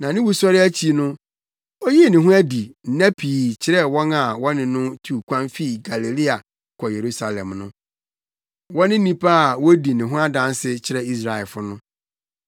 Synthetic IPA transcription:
nã˨nɪ̃˦wu˨˦sɔ˦ɾɪ˦æ˦t͡ɕʰi˦nʊ̃˦ | ɔ˦ji˦˨nɪ̃˨ɦʊ̃˦æ˦di˨n̩˦næ̃˦pʰiː˨t͡ɕʰɪ˦ɾɛ˦wɔ̃˦na˨wɔ̃˦nɪ̃˨nʊ̃˦tʰu˨kʰʷã˦nfi˦˨ɡa˨li˨li˦a˨ | kʰɔ˨je˨ɾu˦sa˨lɛ̃˨mnʊ̃˦ | wɔ̃˦nɪ̃˦nĩ˦pʰa˦a˨wɔ˦di˨nɪ̃˨ɦʊ̃˦a˦dã˦n˦sɪ˦t͡ɕʰɪ˨ɾɛ˦i˦sɾa˨ɛ˨lfʊ˦nʊ̃˦

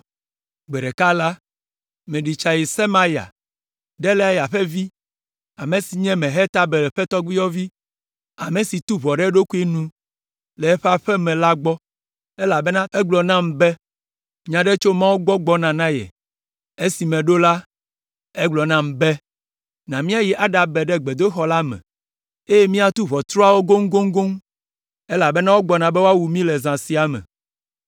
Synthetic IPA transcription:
ɡ͡bɛ˨ɖɛ˨ka˦la˦ | mɛ̃˨ɖi˨t͡ʃa˨ji˨sɛ˦mã˦ja̰˨ | ɖɛ˦lɛ˦a˦ja˨ɸɛ˦vi˦ | a˨me˨si˨ɲɛ̃˦mɛ̃˨ɦɛ˦t̪a˦be˨lɛ˨ɸɛ˦t̪ɔ˦ɡ͡bi˦jɔ˦vi˦ | a˨me˨si˨t̪u˦βɔ˨ɖɛ˦ɖo˦ku˦e˦nũ˦ | lɛ˨ɛ˦ɸe˦a˦ɸɛ˦mɛ̃˨la˦ɡ͡bɔ˦ | e˦la˨be˦nã˦ɛ˦ɡ͡blɔ˨nã˦m˨bɛ˦ | ɲã˨ɖe˦t͡ʃo˦mã˦wo˦ɡ͡bɔ˦ɡ͡bɔ˦nã˨nã˦jɛ̰˨ | e˦si˨mɛ̃˨ɖo˦la˦ | ɛ˦ɡ͡blɔ˨nã˦m˨bɛ˦ | nã˨mĩ˦a˦ji˦ʔa˨˦ɖa˨bɛ˨ɖɛ˦ɡ͡be˨d̪o˦xɔ˦la˦mɛ̰̃˨ | e˦je˦mĩ˦a˨t̪u˦vɔ˨t̪ɾɔ˦a˦˨wo˦ɡo˦ŋ˦ɡo˦ŋ˦ɡo˦ŋ | e˦la˨be˦nã˦wo˦ɡ͡bɔ˨nã˨bɛe˦wo˦a˦wu˨mĩ˦lɛ˨zã˨si˦a˨mɛ̰̃˨

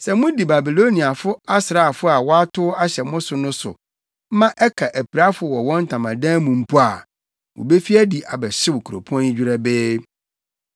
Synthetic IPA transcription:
sɛ˨mʊ̃˦di˨ba˨bi˨lo˦nĩ˨a˨fʊ˦a˦sɾa˨fʊ˦a˨wɔ˦a˦tʰʊ˦a˦ɕɛ˨mʊ̃˦sʊ˨nʊ̃˦sʊ̰˨˦ | mã˦ʔɛ˦kʰa˨ʔæ˨pʰi˨ɾa˦fʊ˨wɔ˨wɔ̃˦n̩˦tʰã˨mã˨dãː˦mũ˨m̩˦pʰu˦a˨ | wʊ̰̃˨be˦fi˦æ˦di˨ʔa̰˨bɛ˨ɕɪ˦wʊ˨kʰu˨ɾo̰˨pʰɔ̃˦ĩ˦d͡ʑᶣi˦ɾɛ˦bɪː˦

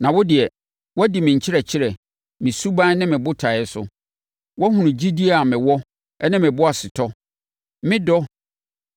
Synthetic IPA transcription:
nã˨wɔ˦dɪ˨ɛ˨ | wɔ˦di˨mɪ̃˨ɲ̩˨t͡ɕʰɪ˦ɾɛ˨t͡ɕʰɪ˦ɾɛ˨ | mɪ̃˨su˦bã˦nɪ̃˦mɪ̃˨bʊ˦tʰa˨ɛ˦sʊ̰˦ | wɔ˦hũ˨nʊ̃˨d͡ʑi˦di˦a˨mɪ̃˨wɔ˦ | ɛ˦nɪ̃˦mɪ̃˨bʊ˦a˨sɪ˨tʰɔ˦ | mɪ̃˦dɔ˦

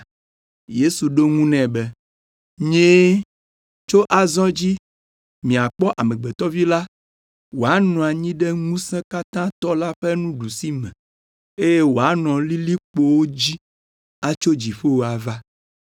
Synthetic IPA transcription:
je˦su˨ɖo˦ŋũ˦nɛ̃˨bɛ˦ | ɲẽ˦ | t͡ʃo˦ʔa˨zɔ̃˦d͡ʑi˦ | mĩ˨a˨k͡pɔ˦ʔa˨mɛ̃˨ɡ͡bɛ˨t̪ɔ˦vi˦la˦ | wo˨a˦nɔ̃˨a˨ɲĩ˦ɖɛ˦ŋũ˦sɛ̃˦ka˦t̪ã˦t̪ɔ˦la˦ɸɛ˦nũ˦ɖu˨si˦mɛ̃˨ | e˦je˦wo˨a˦nɔ̃˨li˦li˦k͡po˦wo˦d͡ʑi˦ | a˦t͡ʃo˦d͡ʑi˨ɸe˦wo˨a˨va˦

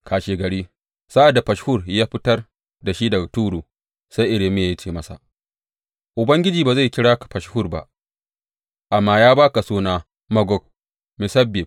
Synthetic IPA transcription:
kʰaː˨ʃeː˨ɡɐ˨ɽiː˦ | sa˦ʔa˨da˨ɸɐ˨ʃhʊ˦˨rjaː˦ɸɪ˦tɐ˦r | da˨ʃiː˦dɐ˨ɡa˨tuː˦ɽuː˨ | sa˦ʔɪ˦ɽeː˨meː˦˨˦t͡ʃeː˨mɐ˦sa̰˨ | ʔʊ˨bɐ˦ŋɡʲɪ˦d͡ʒiː˨baː˨za˦˨kʲɪ˦ɽaː˦kḁ˨ɸɐ˨ʃhʊ˦˨rba̰˨ʔ | ʔa˨mːaː˦jaː˦baː˦ka˨soː˦naː˦ | mɐ˦ɡɔ˦k̚ | mi˨sɐ˦bːɪ˨p̚

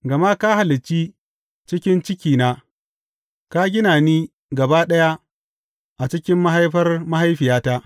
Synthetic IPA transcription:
ɡɐ˨ma˦ka˦ha˨lɪ˨t͡ʃiː˦ | t͡ʃɪ˦kʲɪ˦nt͡ʃɪ˦kʲiː˨naː˦ | ka˦ɡʲɪ˦naː˨niː˦ | ɡɐ˨baː˦ɗɐ˦ja˦ | ʔa˨t͡ʃɪ˦kʲɪ˦mːa˦ɦa˦jɸɐ˦rma˦ha˦jɸɪ˨jaː˦taː˦ʔ

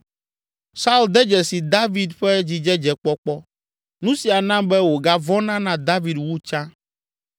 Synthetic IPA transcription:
sa˦u˦ld̪ɛ˦d͡ʒɛ˨si˨d̪a˦vi˦d̪ɸɛ˦d͡ʑi˨d͡ʒɛ˦d͡ʒɛ˨k͡pɔ˦k͡pɔ˦ | nũ˦si˨a˨nã˦bɛ˦wo˨ɡa˦vɔ˦nã˦nã˦d̪a˦vi˨dwu˦t͡ʃã˦

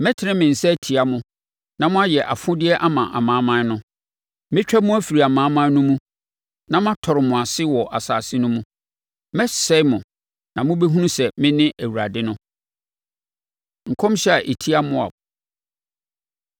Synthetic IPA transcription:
mɛ̃˦tʰɪ˨ɾɪ̃˦mɪ̃˨n̩˨sɛ˦æ˦˨tʰi˨a˨mʊ̃˦ | nã˨mʊ̃˦a˦jɛ˨ʔa˨fʊ̃˦dɪ˦ɛ˦ʔa˦mã˨ʔa̰˨mãː˨˦mã˦n˦nʊ̃˦ | mɪ̃˦t͡ɕᶣɛ˦mʊ̃˦æ˦fi˨ɾi˨a˨mãː˨˦mã˦nʊ̃˦mũ˦ | nã˦mã˦tʰɔ˨ɾɪ˨mʊ̃˨a˨sɪ˦wɔ˨ʔa˨saː˨sɪ˦nʊ̃˦mũ˦ | mɛ˦sɛ˦mʊ̃˨ | nã˨mʊ̃˦be˦ɦũ˦nũ˦sɛ˨mɪ̃˦nɪ̃˦ʔæ˨wu˨ɾa˨dɪ˦nʊ̃˦ | ŋ̩˨kʰɔ̃˦mɕɛ˦a˨ʔe˨tʰi˦a˦mʊ̃˦a̰˨

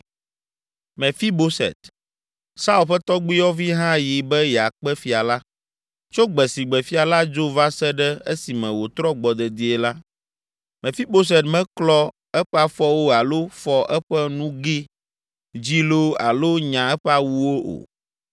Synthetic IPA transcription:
mɛ̃˨fi˦bo˦sɛ̰˨t̪ | sa˦u˦lɸɛ˦t̪ɔ˦ɡ͡bi˦jɔ˦vi˦ɦã˦ji˨bɛ˦jɛ˨a˨k͡pɛ˦fi˨a˨la˦ | t͡ʃo˦ɡ͡bɛ˨si˨ɡ͡bɛ˨fi˦a˨la˦d͡ʒo˦va˦sɛ˦ɖɛ˦e˦si˨mɛ̃˨wo˨t̪ɾɔ˦ɡ͡bɔ˨d̪ɛ˨d̪i˦ɛ˨la˦ | mɛ̃˨fi˦bo˦s̬ɛ˨t̪mɛ̃˦klɔ˦ | ɛ˦ɸɛ˦a˨fɔ˦wo˦a˨lo˦fɔ˦ʔɛ˦ɸɛ˦nũ˦ɡi˦ | d͡ʑi˦lo˦a̰˨lo˦ɲã˨ɛ˦ɸɛ˦a˨wu˦wo˦ʔo̰˨

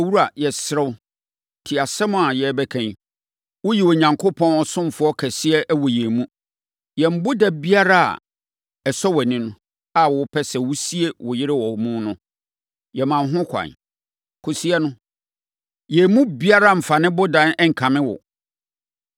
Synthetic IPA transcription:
wu˦ɾu˦a˨jɛ˨sɾɛ˦w | tʰi˨a˨sɛ˦mʊ̃˨a˨jɛ˨˦bɛ˦kʰæ̃˦n | wʊ˦ji˨wɔ˨ɲã˨ŋkʰo˦pʰɔ̃˦nɔ˨sʊ̃˦m˨fʊ˦ɔ˦kʰɛ˨sɪ˦ɛ˦ʔæ˦wɔ˨jɛ˨mũ˦ | jɛ˨m̩˦bʊ˦da˨bi˦a˦ɾa˦a̰˨ | ɛ˨sɔ˦wɔ˨nɪ̃˦nʊ̃˦ | a˦˨wʊ˨˦pʰɛ˦sɛ˨wu˦si˦e˦wʊ˨jɪ˦ɾɪ˦wɔ˨mũ˦nʊ̃˦ | jɛ˨mã˨n˦ɦʊ̃˦kʷʰã̰˨n | kʰʊ˨si˦ɛ˦nʊ̃˦ | jɛ˨mũ˦bi˦a˦ɾa˦˨m̩˨fa˨nɪ̃˦bʊ˦dã˦nɛ˦ŋ̩˨kʰã˨mɪ̃˦wɔ̰˨

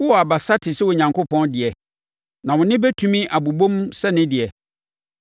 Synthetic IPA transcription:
wʊ˦wɔ˨a˨ba˨sa˦tʰɪ˨sɪ˦wɔ˨ɲã˨ŋkʰo˦pʰɔ̃˦ndɪ˨ɛ˨ | nã˨wʊ̃˨nɪ̃˦bɛ˦tʰũ˨˦mĩ˦ʔa˨bu˨bõ˦msɛ˦nɪ̃˦dɪ˨ɛ˨

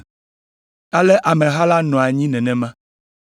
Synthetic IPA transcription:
a˦lɛ˦ʔa˨mɛ̃˨ɦa˦la˦nɔ̃˨a˨ɲĩ˦nɛ̃˨nɛ̃˨mã˦

